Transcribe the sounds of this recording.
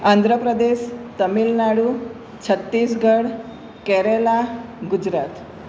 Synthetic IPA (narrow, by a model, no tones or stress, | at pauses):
and̪ʱɾəpɾəd̪eɕt̪əmilnaɽu | t͡ɕʰət̪ːiːsɡəɽ | kɛɾelaɡud͡ʑɾat̪